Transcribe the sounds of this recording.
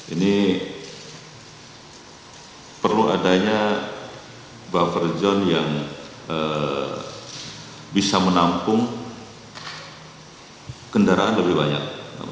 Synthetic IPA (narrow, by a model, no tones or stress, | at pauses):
ini | pərluadaɲa | bafərd͡ʒɔnjaŋ | ə | bisamənampʊŋ | kəndaɾaʔanləbɪɦbaɲa̰k̚